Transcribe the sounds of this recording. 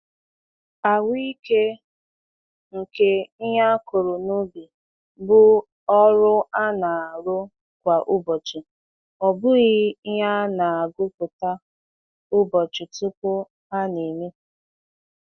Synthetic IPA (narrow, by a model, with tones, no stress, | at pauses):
a˨wi˦ke˦ | ŋ̩˨ke˦ɦa˦kʊ˨ɾʊ˨nu˦bi˨ | bʊ˦ | ɔ˦ɾʊ˦a˦na˨a˨ɾʊ˦ | kʷa˨ʔʊ˦bɔ˨t͡ʃɪ˨ | ɔ˨bʊ˦ɣɪ˦ɦa˦na˨a˨ɡʊ˦kʊ˨ta˦ | ʊ˦bɔ˨t͡ʃʊ˨tʊ˦pʊ˦ | a˦ni˨me˦